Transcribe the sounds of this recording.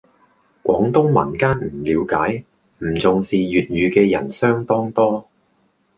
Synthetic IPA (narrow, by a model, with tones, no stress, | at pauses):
kʷɔ̰ː˨˥ŋt̪ʊ˥ŋmɐ̰˨˩nkaː˥nm̩˨˩liː˨˧wkaː˨˥j | m̩˨˩t͡sʊ˨ŋsiː˨jyː˨t̚jyː˨˧kɛː˧jɐ̰˨˩nsœː˥ŋt̪ɔː˥ŋt̪ɔː˥